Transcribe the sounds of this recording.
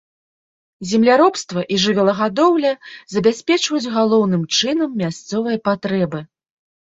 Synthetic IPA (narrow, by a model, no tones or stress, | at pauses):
zʲɛmlʲaɾɔpst̪vɐʔiʐɨvʲɛlˠɐɣad̪ɔwlʲɐzɐbʲasʲpʲɛt͡ʂvɐjud͡zʲɣalˠɔwn̪ɨmt͡ʂɨnɐmːʲast̪sɔvɨjɐpat̪ɾɛbɨ